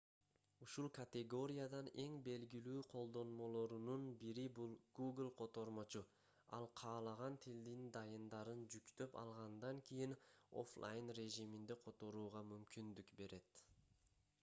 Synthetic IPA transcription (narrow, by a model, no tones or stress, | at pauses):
uʃulˠkɐt̪ʲeɡo̞ɾʲijad̪ɑne̞ŋbe̞lɡilyːqʰo̞lˠd̪o̞nmo̞lˠo̞ɾununbiɾibulˠɡ̥uɡlˠqʰo̞t̪o̞ɾmo̞t͡ʃu | ɑlˠqʰɑːlˠɑʁɑnt̪ʰild̪ind̪ɑjɯnd̪ɑɾɯnd͡ʒykt̪ø̞pɑ̰lˠʁɑnd̪ɑŋkʲijino̞̰flˠʔa̰jnre̞ʒimind̪eqʰo̞t̪o̞ɾuːʁɑmymkʲind̪ykbe̞ɾe̞t̪